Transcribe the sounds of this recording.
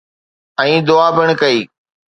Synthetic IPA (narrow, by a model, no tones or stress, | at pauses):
ɛ̃ːd̪ʊaːbʱɪɽ̃kɐiː